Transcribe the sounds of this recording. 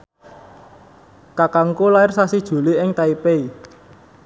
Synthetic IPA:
kakaŋkulaɪrsasid̥ʒ̥ṳliʔɪŋt̪aipei

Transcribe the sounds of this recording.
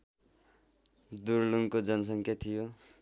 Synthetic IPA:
d̪urluŋkod͡zʌnʌsʌŋkʰat̪ʰijo

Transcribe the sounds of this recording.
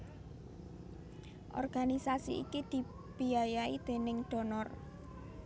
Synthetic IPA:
ʔɔ̰rɡ̥anisasḭḭkid̪̥i̤ | b̥iajaid̪̥e̤nɪŋɖ̪̥ɔ̤nɔr

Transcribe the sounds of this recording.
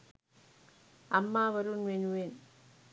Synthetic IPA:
ɐmːaːʋɐɾɯnʋenɯʋeːn

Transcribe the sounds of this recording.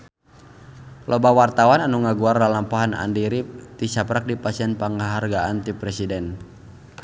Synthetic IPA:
lʔɔbawart̪awananuŋaɡuarlalampaɦana̰ndiɾit̪isapɾak̚dipasianpaŋaɦarɡaant̪ipɾɛsidɛn

